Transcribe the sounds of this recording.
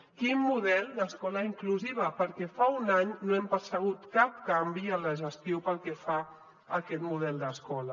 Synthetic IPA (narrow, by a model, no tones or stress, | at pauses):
kimmuðɛlˠd̪əskɔləiŋkluziβ̞əpəɾkɛfaunaɲnoɛmpəɾsəɣ̞ut̪kap̚kambiələʒəst̪jopəlˠkɛfa | əkɛt̪muð̞ɛlˠd̪əskɔlə